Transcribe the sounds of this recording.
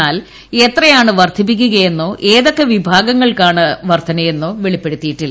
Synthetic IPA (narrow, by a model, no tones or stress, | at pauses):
aːl | e̞t̪rɐjaːɳɨʋɐrt̪ʰipːik̬ʲːuɣɐje̞nːoːʔe̞ːðo̞kːeʋibʱaːɡɐŋːɐɭkaːɳɨʋɐrt̪ʰɐnɐje̞nːoːʋeɭipːe̞ɽut̪ːijiʈːilː